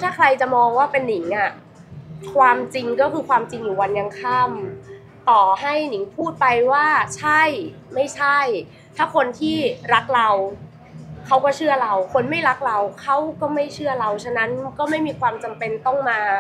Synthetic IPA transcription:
t̪ʰaː˥˩kʰɾa˧jt͡ɕa˨˩mɔː˧ŋwaː˥˩pe˧nːi˩˦ŋʔa˧˩ | kʰwaː˧mt͡ɕi˧ŋkɔː˥˩kʰɯː˧kʰwaː˧mt͡ɕi˧ŋjuː˨˩wa˧nja˧ŋkʰa˥˩m | t̪ɔː˨˩ɦa˥˩jni˩˦ŋpʰuː˥˩t̪̚pa˧jwaː˥˩t͡ɕʰa˥˩j | ma˥˩jt͡ɕʰa˥˩j | t̪ʰaː˥˩kʰo˧nt̪ʰiː˥˩ɾa˦˥k̚ɾa˧w | kʰa˦˥wkɔː˥˩t͡ɕʰɯ˥˩ɐɾa˧wkʰo˧nma˥˩jɾa˦˥k̚ɾa˧wkʰa˦˥wkɔː˥˩ma˥˩jt͡ɕʰɯ˥˩ɐɾa˧wt͡ɕʰa˧˥na˦˥nkɔː˥˩ma˥˩jmiː˧kʰwaː˧mt͡ɕa˧mpe˧nt̪ɔ˥˩ŋmaː˧

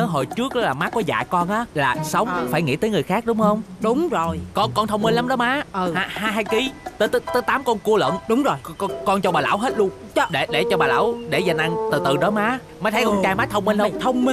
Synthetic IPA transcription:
ə˨˦ɦo˨˩jt͡ɕɨ˦˥ək̚ɗɔ˨˦laː˨˩maː˨˥kɔ˨˦za̰ː˧˨kɔ˧nʔaː˨˦˥laː˨˩sə˨˦wŋ͡mfaː˧˩jŋḭ˧˥t̪əː˨˦jŋɨ˨˩əjxaː˦˥k̚ɗʊ˨˦ŋ͡mhə˧wŋ͡mɗʊ˨˦ŋ͡mzo˨˩jkɔ˧nkɔ˧nt̪ʰə˧wŋ͡mmi˧nla˨˦mɗɔ˨˦maː˨˦ʔə˧˨a˧˩haː˧jɦaː˧jki˨˦t̪əː˨˦t̪ə˨˦t̪əː˨˦jt̪aː˨˦mkɔ˧nku˧əlwə̰˧˨nɗʊ˨˦ŋ͡mzo˨˩jkɔ˧kɔ˧nt͡ɕɔ˧ɓaː˨˩la̰ː˧˥wɦe˦˥t̚lu˧ən˦ | ɗe˧˩ɗe˧˩t͡ɕɔ˧ɓaː˨˩la̰ː˧˥wɗe˧˩zaː˧na˧ŋt̪ɨ˨˩t̪ɨ˨˩ɗɔ˨˦maː˨˦ | maː˨˦t̪ʰkɔ˧t͡ɕaː˧maː˨˦˥t̪ʰə˧wŋ͡mmi˧nlwt̪ʰə˧wŋ͡m

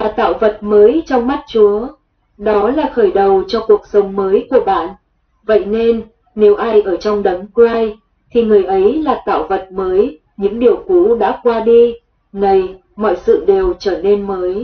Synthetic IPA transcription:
vaː˨˩t̪a̰ː˧˨wvə˨˩t̚məː˨˦jt͡ɕɔ˧wŋ͡mma˦˥t̚t͡ɕu˨˦ə | ɗɔ˨˦laː˨˩xəː˧˩jɗə˨˩wt͡ɕɔ˧ku˨˩ək̚sə˨˦wŋ͡mməː˨˦jku˧˩əɓa̰ː˧˨n | və̰˧˨jne˧nː | e˨˦wʔaː˧jʔəː˧˩t͡ɕɔ˧wŋ͡mɗə˨˦nkwaː˧j | t̪ʰi˨˩ŋɨ˨˩əjʔə˨˦jlaː˨˩t̪a̰ː˧˨wvə˨˩t̚məː˨˦j | ɲɨ̰˧˥ŋɗi˨˩əwku˨˦ɗa̰ː˧˥kwaː˧ɗi˧ | nə˧˩j | mɔ̰˧˨jsɨ̰˧˨ɗe˨˩wt͡ɕəː˧˩ne˧nməː˨˦j

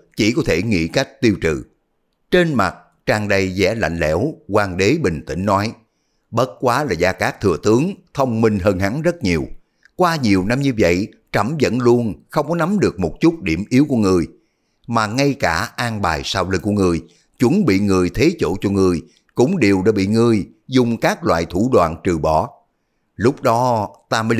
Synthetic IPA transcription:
t͡ɕi˧˩kɔ˨˦t̪ʰe˧˩ŋḭ˧˥˨ka˦˥jk̟̚t̪i˧əwt͡ɕɨ̰˧˨ | t͡ɕe˧nma˨˩t̚ | t͡ɕaː˧ŋɗə˧jzɛ̰˧˥la̰˧˨ŋ̟lɛ̰˧˥wkwaː˧ŋɗe˨˦ɓï˨˩ŋ̟t̪ḭ̈˧˥ŋ̟nɔ˨˦j | ɓə˦˥t̚kwaː˨˦laː˨˩zaː˧kaː˦˥k̚t̪ʰɨ˨˩ət̪ɨ˨˦əŋt̪ʰə˧wŋ͡mmi˧ŋ̟ɦəː˧nha˨˦ŋzə˦˥t̚ɲi˨˩əw | kwaː˧ɲi˨˩əwna˧mɲɨ˧və̰˧˨j | t͡ɕə˧˩mzə̰˧˥nlu˧ənxə˧wŋ͡mkɔ˨˦na˨˦mɗɨ˨˩ək̚mo˨˩t̚t͡ɕu˦˥t̚ɗi˧˩əmʔi˨˦əwku˧˩əŋɨ˨˩əj | maː˨˩ŋa˧jkaː˧˩ʔaː˧ŋɓaː˨˩jsaː˧wli˧ŋku˧˩əŋɨ˨˩əj | t͡ɕwu˧˦nɓḭ˧˨ŋɨ˨˩əjt̪ʰe˨˦t͡ɕo̰˧˩t͡ɕɔ˧ŋɨ˨˩əj | kʊ̰˧˥ŋ͡mɗi˨˩əwɗa̰ː˧˥ɓḭ˧˨ŋɨ˧˩əj | zʊ˨˩ŋ͡mkaː˦˥k̚lwa̰ː˧˨jt̪ʰu˧˩ɗwa̰ː˧˨nt͡ɕɨ˨˩ɓɔ˧˩˦ | lʊ˦˥k͡p̚ɗɔ˨˦t̪aː˧mə˨˦

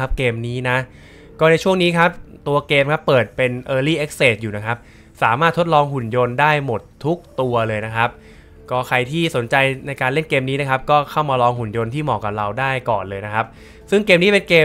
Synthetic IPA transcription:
a˦˥p̚keː˧mniː˦˥na˦˥ | kɔː˥˩na˧jt͡ɕʰu˥˩əŋniː˦˥kʰa˦˥p̚t̪u˧ɐkeː˧mkʰa˦˥pːɤː˨˩t̪̚pe˧nʔɤː˧liː˥˩ʔe˦˥k̚seː˨˩t̪̚juː˨˩na˦˥kʰa˦˥p̚ | saː˩˦maː˥˩t̪ʰːo˦˥t̪̚lɔː˧ŋhu˨˩njo˧ndaː˥˩jmo˨˩t̪ʰːu˦˥k̚t̪u˧ɐlɤː˧jna˦˥kʰa˦˥p̚ | kɔː˥˩kʰa˧jt̪ʰiː˥˩so˩˦nt͡ɕa˧jna˧jkaː˧nle˥˩nkeː˧mniː˦˥na˦˥kʰa˦˥p̚kɔː˥˩kʰa˥˩wmaː˧lɔː˧ŋhu˨˩njo˧nt̪ʰiː˥˩mɔː˨˩kːa˨˩p̚ɾa˧wdaː˥˩jkɔː˨˩nlɤː˧jna˦˥kʰa˦˥p̚ | sɯ˥˩ŋkeː˧mniː˦˥pe˧nkeː˧

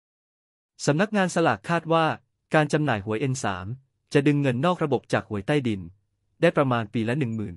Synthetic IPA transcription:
sa˩˦mna˦˥k̚ŋaː˧nsa˧la˨˩kʰːaː˥˩t̪̚waː˥˩ | kaː˧nt͡ɕa˧mnaː˨˩jɦu˩˦əjʔe˧nsa̰ː˩˦m | t͡ɕa˨˩dɯ˧ŋːɤ˧nːɔː˥˩k̚ɾa˧bo˨˩p̚t͡ɕaː˨˩k̚hu˩˦əjt̪aː˥˩jdi˧n | daː˥˩jpɾa˧maː˧npiː˧lɛ˦˥nɯ˨˩ŋmɯː˨˩n

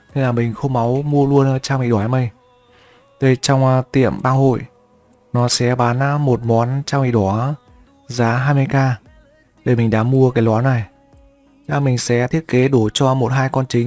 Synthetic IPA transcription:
ne˧nlaː˨˩mï˨˩ŋ̟xə˧wŋ͡mma˨˦wmu˧əlu˧ən˧t͡ɕaː˧ŋ͡mḭ˧˨ɗɔ˧˩˨a˨˦mə˧j | t̪e˧˩t͡ɕɔ˧wŋ͡mt̪ḭ˧˨əmɓaː˧ŋho̰˧˨j | nɔ˨˦sɛ̰˧˥ɓaː˨˦n˧mo˨˩t̚mɔ˨˦nt͡ɕaː˧wʔḭ˧˩ɗɔ˧˩ | zaː˨˦ɦaː˧jmɨ˧əjkaː˧ | ɗe˨˩mï˨˩ŋ̟ɗa̰ː˧˥mu˧əkaː˨˦jlwɔ˨˦nːa˨˩j | ɗaː˧˩mï˨˩ŋ̟sɛ̰˧˥t̪ʰi˦˥ət̚ke˨˦ɗo˧˩t͡ɕɔ˧mo˨˩t̚ɦaː˧jkɔ˧nt͡ɕï˨˦ŋ̟

